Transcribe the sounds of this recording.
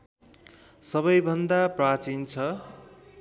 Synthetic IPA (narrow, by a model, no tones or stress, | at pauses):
sʌβʌjbʱʌnd̪aprat͡sint͡sʰʌ